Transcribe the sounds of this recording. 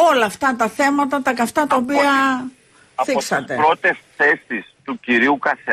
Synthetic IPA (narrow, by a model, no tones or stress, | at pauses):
o̞lɐːft̪ɐt̪ɐθe̞mɐt̪ɐt̪ɐkɐft̪ɐt̪ɐopiɐ | θiksɐt̪e̞̰ɾot̪esθestist̪uciɾiukɐse